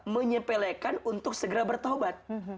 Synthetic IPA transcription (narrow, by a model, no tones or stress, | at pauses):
məɲəpɛlekanunt̪ʊk̚səɡəɾabərt̪obat̪̚